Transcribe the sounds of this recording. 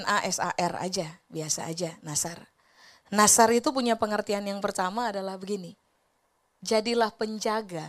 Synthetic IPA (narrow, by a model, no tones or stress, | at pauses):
naʔɛsa̰ʔɛra̰d͡ʒabiasa̰ːd͡ʒanasar | nasaɾit̪up̬uɲapəŋərt̪ianjaŋpərt̪amaːdalahbəɡini | d͡ʒadilahpəɲd͡ʒaɡa